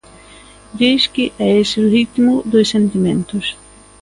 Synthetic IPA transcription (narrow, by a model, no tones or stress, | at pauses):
d̪iskɪʔɛesɪrit̪imʊd̪osːent̪imẽnt̪ʊs